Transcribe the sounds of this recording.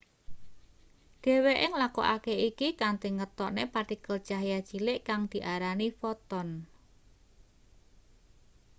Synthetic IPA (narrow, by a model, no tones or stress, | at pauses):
ɖ̥e̤weʔɪŋlako̰ʔakeikikant̪eŋət̪ɔʔnepaʈikəld̥ʒ̥a̤ɦjad̥ʒ̥ilɪʔkaŋd̪̥i̤ʔaɾanifɔt̪ɔn